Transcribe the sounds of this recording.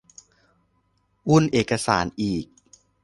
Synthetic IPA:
ʔu˥˩nʔeː˨˩kːa˧sa̰ː˩˦nʔiː˨˩k̚

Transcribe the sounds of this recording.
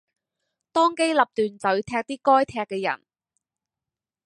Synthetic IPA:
t̪ɔː˥ŋke˥jlɐ˨p̚t̪yː˨nt͡sɵ˨˥ɥt̪ʰɛː˧k̚t̪iː˥kɔː˥jt̪ʰɛː˧kːɛː˧jɐ̰˨˩n

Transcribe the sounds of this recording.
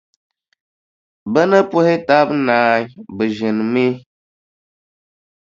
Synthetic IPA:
bə˦nə˦pʊ˦hɪ˦ta˦bnaː˨˦ɲ˦bɨ˨ʒi˨n˨mi˦

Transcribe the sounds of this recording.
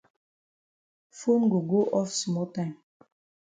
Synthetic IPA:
fo˦nɡo˨ɡo˦ʔɔ˦fsmɔ˦ltã˦ɪ̃m

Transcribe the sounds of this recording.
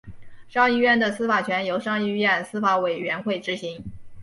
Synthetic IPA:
ʂɑ˥˧ŋi˥˧ɥɛ˥˩nd̪ə˩sɹ̩˥fa˨˩t͡ɕʰɥɛ˧˥njo˧˥ʊʂɑ˥˧ŋi˥˧ɥɛ˥˩nsɹ̩˥fa˧˥we˨˩ɪɥɛ˧˥nxwe˥˩ɪʈ͡ʂɻ̩˧˥ɕi˧˥ŋ

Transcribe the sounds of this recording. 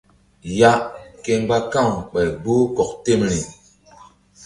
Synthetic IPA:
ja˦ke˦ŋba˦ka˦˨ŋk͡pɛ˨ɡ͡bo˦kɔ˨k̚te˦˨mli˨

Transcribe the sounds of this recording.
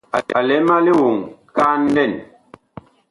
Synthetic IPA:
a˨a˨lɛ˨˦ma˦li˦wu˨ŋka˦n̩˦dɛ˦˨n

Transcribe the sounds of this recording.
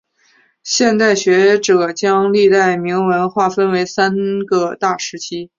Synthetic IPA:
ɕjɛ˥˧nt̪a˥˩ɪɕɥɛ˧˥ʈ͡ʂɤ˨˩t͡ɕjɑ˥ŋli˥˧t̪a˥˩ɪmi˧˥ŋwə˧˥nxwa˥˩fə˥nwe˧˥ɪsa˥nɡə˧t̪a˥˩ʂɻ̩˧˥t͡ɕʰi˥

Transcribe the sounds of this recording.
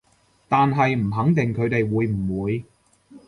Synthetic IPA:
t̪aː˨nɦɐ˨jm̩˨˩ɦɐ˨˥ŋt̪ɪ˨ŋkʰɵ˨˧ɥt̪e˨jwuː˨˧jm̩˨˩wuː˨˧j

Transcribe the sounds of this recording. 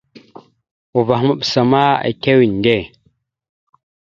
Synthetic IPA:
wu˨va˨xma˦ɓsa˨ma˦a̰˨ke˦wi˨n˨de˦˨

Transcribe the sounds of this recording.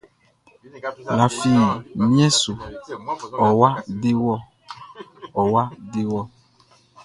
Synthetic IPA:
la˨fi˨mĩ˦ɛ̃˦su˨ | ɔ˨wa˦de˦wɔ˦ | ɔ˨wa˦de˦wɔ˦

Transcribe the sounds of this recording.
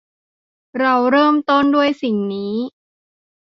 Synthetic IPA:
ɾa˧wɾɤː˥˩mt̪o˥˩ndu˥˩əjsi˨˩ŋniː˦˥

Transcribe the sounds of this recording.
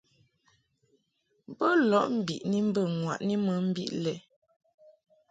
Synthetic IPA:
bə˦lɔ˨˦ʔm̩˦bi˨ʔni˦m̩˦bə˦˨ŋwa̰˨ʔni˦mə˨˦m̩˦bḭ˦ʔlɛ˨

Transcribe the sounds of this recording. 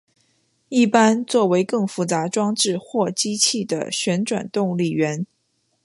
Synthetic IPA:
i˥˩pa˥nt͡swɔ˥˩we˧˥ɪkɤ˥˩ŋfu˧˥t͡sa˧˥ʈ͡ʂwɑ˥ŋʈ͡ʂɻ̩˥˧xwɔ˥˩t͡ɕi˥t͡ɕʰi˥˩d̪ə̰˩ɕɥɛ˧˥nʈ͡ʂwa̰˨˩nt̪ʊ˥˧ŋli˥˩ɥɛ˧˥n

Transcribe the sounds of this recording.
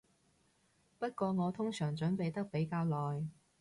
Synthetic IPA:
pɐ˥t̚kʷɔː˧ŋɔː˨˧t̪ʰʊ˥ŋsœː˨˩ŋt͡ʃɵ˨˥npe˨jt̪ɐ˥k̚pe˨˥jkaː˧wlɔː˨˩j

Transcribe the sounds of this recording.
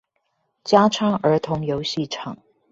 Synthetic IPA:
t͡ɕjaː˥t͡sʰaː˥ŋə˨˧˥t̪ʰʊ˨˧˥ŋjo˨˥wɕiː˥˩ʈ͡ʂʰɑ̰˨˩ŋ

